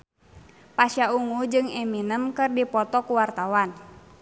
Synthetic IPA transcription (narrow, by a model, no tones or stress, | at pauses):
pasjauŋud͡ʒɨŋɛminəmkɨrdipɔt̪ɔkuwart̪awan